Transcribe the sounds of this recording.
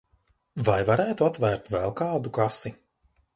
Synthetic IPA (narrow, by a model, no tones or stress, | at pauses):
vajvaɾæːt̪uat̪væːɾt̪vɛlˠkaːd̪ukasi